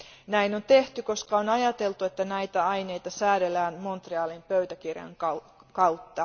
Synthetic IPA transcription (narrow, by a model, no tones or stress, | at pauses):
næino̞nt̪e̞ht̪yko̞skɑonɑjɑt̪e̞lt̪ue̞t̪ːænæjt̪æɑjne̞jt̪ɑsæːɾe̞lːæːnmo̞nt̪reɑːlimpøɥt̪ækirjɑ̰ŋkɑ | kɑwt̪ːɑ